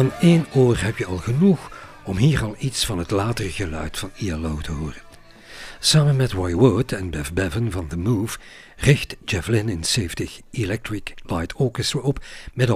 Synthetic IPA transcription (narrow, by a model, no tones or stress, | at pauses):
aːneːnoːrɦɛpjəɑlˠɣənux | ɔmɦiːrɑlˠitsfɑnɦətlaːtərəɣəlœ̰ɥtfɑnialowtʰəɦʊːrən | saːmənmɛtwajwʊtʰɛnbɛfbɛvənvɑndəmuːv | rɪxtd͡ʒɛflɪnɪnseːftɪxilɛk̚tɹɪklajtʰoːkəstɹəɔpmɛdɑ